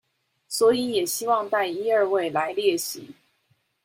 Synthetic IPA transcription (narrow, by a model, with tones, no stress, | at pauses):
swɔ˧˥i˧˥jɛ˨˩ɕi˥wɑ˥˧ŋt̪a˥˧ɪi˥ə˞˥˧we˥˩ɪla˧˥ɪljɛ˥˩ɕḭ˧˥˦